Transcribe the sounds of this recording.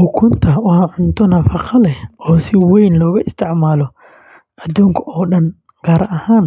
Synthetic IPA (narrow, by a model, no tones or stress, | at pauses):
ʊkʰʊnt̪ʰɐwɑhɑʕʊnt̪ʰɔnɐfɑqɐlɛɔːsɪwɛjnlɔːɣʊʔɪst̪ʰɪʕmaːlɔ | ʔɐd̪uːŋkʰɐɔːɗɐn | ɡ̥aːɾʔɐhaːn